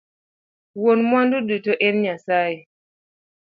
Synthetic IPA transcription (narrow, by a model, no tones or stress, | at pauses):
wonmwanduɗɨtɔʔɛnɲasai